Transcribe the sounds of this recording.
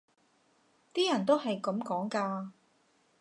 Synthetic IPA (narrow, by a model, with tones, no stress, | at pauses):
t̪iː˥jɐ˨˩nt̪o˥wɦɐ˨jkɐ˨˥mkɔː˨˥ŋkaː˧